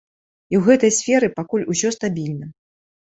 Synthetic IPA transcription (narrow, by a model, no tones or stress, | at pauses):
iwɣɛt̪ɐjsʲfʲɛɾɨpakulʲusʲɔst̪abʲilʲnɐ